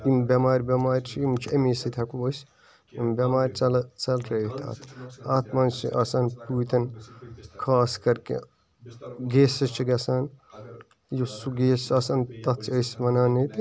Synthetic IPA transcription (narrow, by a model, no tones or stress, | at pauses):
imbʲɐmaːɾʲbʲɐmaːɾʲt͡ʃʰiimt͡ʃʰiɐmisit̪ʲʰɐkubɐs | imbʲɐmaːɾʲt͡sɐlt͡sɐlkɾɐt̪ʰa̰ːt̪ʰat̪ʰmɐnt͡ʃiʔɐsaːnpuːt̪ɐn | kʰaːskɐɾkḛ | ɡeːsɐt͡ʃʰiɡɐsaːn | jisuɡeːst͡ʃɐsaːnt̪ɐt͡sʰiɐsmɐnaːnit̪